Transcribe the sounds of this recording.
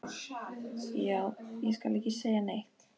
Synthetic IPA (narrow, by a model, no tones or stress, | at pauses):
jaːwjɛskalehcːɪseːjanejht̪